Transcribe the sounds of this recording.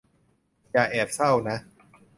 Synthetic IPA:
jaː˨˩ʔɛː˨˩p̚sa˥˩wna˦˥

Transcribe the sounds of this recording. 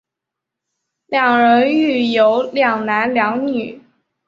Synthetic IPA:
ljɑ˨˩ŋɻə˧˥ny˥˩jo˧˥ʊljɑ˨˩ŋna˧˥nljɑ˧˥ŋny˨˩˦

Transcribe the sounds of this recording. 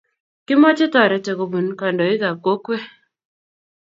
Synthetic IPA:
kɪ˦ma˦t͡ʃɪ˦tɔ˨ɾɛ˨te˨ko˨bu˨nka˨ndɔ˨ɪ˦ða˨ko˦kwe˦

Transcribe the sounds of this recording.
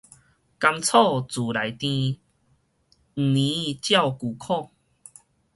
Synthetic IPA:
ka˧mt͡sʰɔ˥˧t͡su˨˩la˨˩jt̪ĩ˧ | ŋ̩˨˩nĩ˨˦t͡ɕja˥˧˨wku˨˩kʰɔ˥˨ŋ

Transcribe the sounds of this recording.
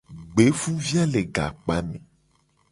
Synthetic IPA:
ɡ͡be˨˦fũ˦vi˦a˦le˨ɡa̰˨k͡pa˦mẽ˨

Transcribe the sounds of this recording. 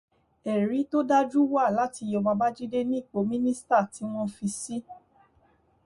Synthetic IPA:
ɛ˨ɾi˨˦to˦da˦d͡ʒu˦wa˦˨la˨˦ti˧jɔ˧ba˧ba˦d͡ʒi˦de˦nĩ˦i˦˨k͡po˨˦mĩ˦nĩ˦sta˦˨ti˨˦w̃ɔ̃˦fi˧si˦

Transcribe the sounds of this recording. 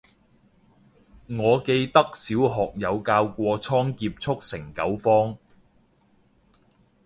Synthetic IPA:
ŋɔː˨˧ke˧jt̪ɐ˥k̚siː˨˥wɦɔː˨k̚jɐ˨˧wkaː˧wkʷɔː˧t͡sʰɔː˥ŋkiː˧p̚t͡sʰʊ˥k̚sɪ˨˩ŋkɐ˨˥wfɔː˥ŋ

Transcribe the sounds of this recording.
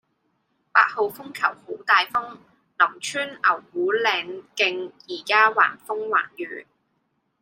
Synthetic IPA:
pa̰ː˧t̚ho˨˧wfʊ˥ŋkʰɐ˨˩who˨˥wt̪aː˨jfʊ˥ŋ | nɐ˨˩ŋt͡ʃʰyː˥nɐ˨˩whuː˨˥lɛː˨˧ŋkɪ˧ŋjiː˨˩kaː˥wa̰ː˨˩nfʊ˥ŋwa̰ː˨˩njyː˨˥

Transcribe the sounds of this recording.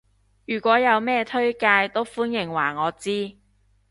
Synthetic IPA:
jyː˨˩kʷɔː˨˥jɐ˨˧wmɛː˥t̪ʰɵ˥ɥkaː˧jt̪o˥wfuː˥njɪ˨˩ŋwaː˨˩ŋɔː˨˧t͡siː˥

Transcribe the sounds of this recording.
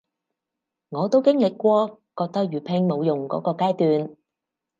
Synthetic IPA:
ŋɔː˨˧t̪o˥wkɪ˥ŋlɪ˨kːʷɔː˧kɔː˧k̚t̪ɐ˥k̚jyː˨˩pʰɪ˧˩ŋmo˨˧wjʊ˨˩ŋkɔ̰ː˨˥kɔː˧kaː˥jt̪yː˨n

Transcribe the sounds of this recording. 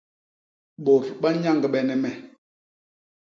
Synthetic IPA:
ɓo˨ɾɓa˦ɲa˦˨ŋɡɓɛ˨nɛ˨mɛ˨

